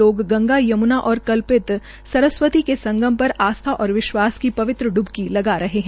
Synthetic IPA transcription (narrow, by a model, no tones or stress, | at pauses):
oːɡːɐ̃ŋɡajɐmʊnaʔɔːɾkɐlpɪt̪ | sɐɾəswət̪ikesɐ̃ŋɡʱəmpɐɾaːst̪ʰaʔɔːɾʋɪʃwaːskipɐʋɪt̪ɾəɖʊbkilɐɡaɾɐɦeɦɛ̃